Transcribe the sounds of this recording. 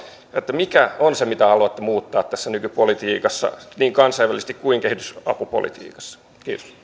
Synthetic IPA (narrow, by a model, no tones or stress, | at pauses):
et̪ːæmikæonsemit̪æhɑluɑt̪ːemuːt̪ːɑːt̪t̪æsːænykypolit̪iːkɑsːɑ̰niːŋkɑnsɑiʋælːˑise̥st̪ikkuiŋkehit̪ysɑ̰pupo̰lḭt̪ḭːkɑ̥sːɑ̥ | kiːt̪o̥s